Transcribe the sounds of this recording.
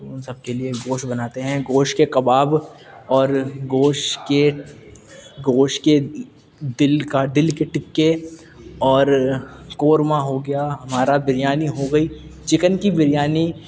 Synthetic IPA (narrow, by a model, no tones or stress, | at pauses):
ʊnsɐb̚kelieɡoːʃbɐnaːt̪eɦɛ̃ɡoːʃkekɐbaːb | ɔːɾɡoːʃke | ɡoːʃke | d̪ɪlkad̪ɪlkeʈɪkːe | ɔːɾkoːɾmaɦoɡɐjaɦɐmaːɾabɪɾɪjaːniɦoɡɐiːt͡ʃɪkənkibɪɾjaːni